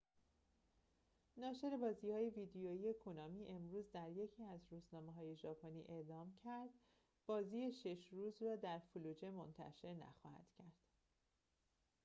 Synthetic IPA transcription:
nɒːʃe̞ɾe̞bɒːziːhɒːje̞viːd̪ejoːije̞kʰunɒːmiːʔe̞mɾuːzd̪æɾje̞cʰiːæzɾuːznɒːmeɦɒːje̞ʒɒːpʰonḭːʔe̞ʔlɒːmcʰæɾd̪ | b̥ɒːziːeʃe̞ʃɾuːzɾɒːd̪æɾfuluːd͡ʒe̞mont̪ʰæ̰ʃe̞ɾnæ̰xɒ̰ːhæ̰d̪̥cʰæɾd̪̥

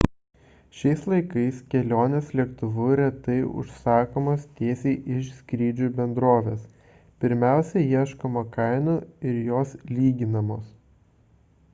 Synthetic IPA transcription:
ʃʲɛɪslˠɐɪkɐɪskʲɛlʲoːnʲeːslʲiɛkt̪ʊʋʊɾʲɛt̪ɐɪʊ̰ʃsɑːkoːmoːst̪ʲeːsʲeʔɪʃsʲkɾʲiːd͡ʒʲuːbʲɛnd̪ɾoːʋʲeːs | pʲɪɾʲmʲæˑʊsʲɛjiɛʃkɐmɐkɐɪnoɪɾjoːslʲiːɡʲɪnɐmoːs

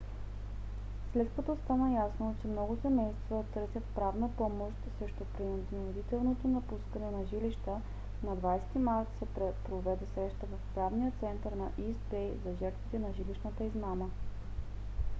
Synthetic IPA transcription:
slɛt̪kɐt̪ost̪anəjasnot͡ʃɛmnɔɡʊsɛmɛjst̪vət̪ɤɾsʲjət̪pɾavnəpɔmoʃt̪sɾɛʃt̪opɾind̪nnod̪it̪ɛlˠnot̪onɐpuskənɛnɐʒiliʃt̪ə | nɐd̪vajst̪imaɾt̪sɛɛpɾovɛd̪ɛsɾɛʃt̪əvɐfpɾavnijət̪sɛnt̪əɾnɐʔisbɛjzɐʒɛɾt̪vit̪ɛnɐʒiliʃnət̪əizmamə

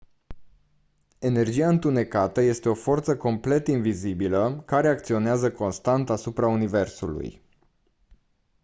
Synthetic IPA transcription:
e̞ne̞rd͡ʒiaɨnt̪une̞kat̪əje̞st̪e̞o̞fo̞rt̪səko̞mple̞t̪invizibiləkaɾe̞ak̚t̪sio̞neazəko̞nst̪ant̪asupɾaunive̞rsṵlṵj

